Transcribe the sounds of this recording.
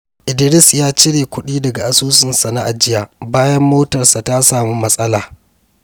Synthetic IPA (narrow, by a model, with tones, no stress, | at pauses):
ʔɪ˨dɪ˨ɾɪ˦sjaː˦t͡ʃɪ˦ɽeː˨kʷʊ˦ɗiː˦dɐ˨ɡa˨ʔa˨suː˦sɪ˨nsa˨na˦ʔa˨d͡ʒɪ˦jaː˨baː˦jɐ˦mːoː˦tɐ˨rsa˨ta˦saː˨muː˦mɐ˦sʼɐ˦laː˨